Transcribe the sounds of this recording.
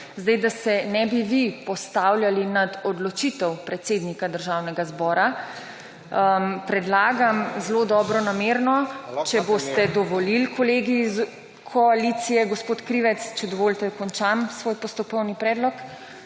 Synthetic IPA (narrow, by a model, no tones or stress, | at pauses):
zd̪ɛjd̪asɛnɛbiʋipɔst̪awljalinad̪ɔd̪lɔt͡ʃit̪ɛwpɾɛt̪seːd̪nikad̪əɾʒawnɛɡazbɔːɾa | pɾɛd̪laːɡamzlod̪ɔbɾɔnameɾnɔt͡ʃɛbost̪ɛd̪ɔʋɔlilkʰɔleɡiz | kʰɔalit̪sijɛɡɔspot̪kɾiʋɛt̪st͡ʃɛd̪ɔʋoːlt̪ɛkɔnt͡ʃamsʋoːjpɔst̪ɔkɔwnipɾɛːd̪lɔk